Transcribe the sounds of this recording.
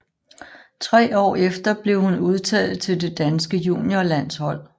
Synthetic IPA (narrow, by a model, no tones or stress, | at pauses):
t͡sʰʁɛ̰ːɒ̰ːefd̥ɐb̥le̝ʊhunuð̞ˠt͡sʰɛ̰ːlð̩ˠt͡sʰe̝lde̝d̥ænsɡ̥əjṵːnjolæn̰shɒ̽l̰